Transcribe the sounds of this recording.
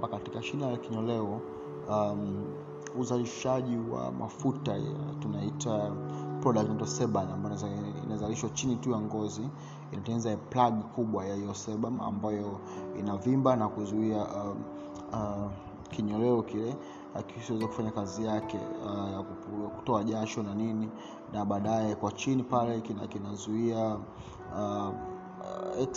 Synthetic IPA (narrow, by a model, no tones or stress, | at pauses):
bakatikaʃinajakiɲɔlɛɔ | m | uzaliʃaʄiwa̰mʔa̰futatunaitapɾɔɗaktmaitɔsɛɓamambajḭnazaliʃwat͡ʃinitujaŋɡɔzi | inatɛnizaplaɠkuɓwajahijɔsɛɓama̰mbajɔ | ḭnavimbanakuzuiaʔ | kiɲɔlɛɔkilɛ | aksiwɛzakufaɲakazijakɛ̰jakuku̥tɔaʄaʃɔnanini | naɓaːɗaɛkwat͡ʃinipalɛkinakinazuia | ɛk